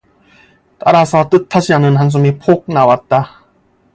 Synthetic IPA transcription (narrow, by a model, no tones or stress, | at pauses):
t͈aɾasʰʌt͈ɯtʰaɕʰiɦanɯnɦans̬ʰumipʰok̚nawat̚t͈a